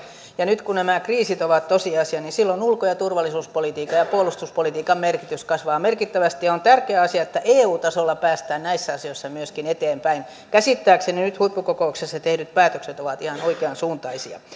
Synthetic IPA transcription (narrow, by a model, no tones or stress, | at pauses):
jɑnyt̪kunæmækriːsit̪oʋɑt̪t̪osiɑsiɑninsilːonulkojɑt̪urʋɑlːˑisuːspolit̪iːkːɑjɑpuolust̪uspolit̪iːkɑmmerkit̪yskɑsʋɑːmerkit̪ːæʋæst̪ijɑont̪ærkeæɑsiɑet̪ːæʔeːuːt̪ɑsolːɑpæːst̪æːnnæisːæɑsijoisːɑmyøskinet̪eːmpæin | kæsit̪ːæːkseninyt̪huipːukokouksesːɑt̪ehdyt̪̚pæːt̪økset̪oʋɑt̪ihɑnoikeɑnsuːnt̪ɑisiɑ̰